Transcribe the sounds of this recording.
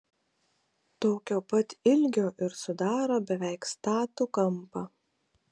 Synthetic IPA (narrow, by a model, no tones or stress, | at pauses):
t̪oːkʲoːpɐt̪ɪlʲɡʲoːʔɪɾsʊd̪ɑːɾoːbʲɛʋʲæɪkst̪ɑːt̪ukɐmpɐ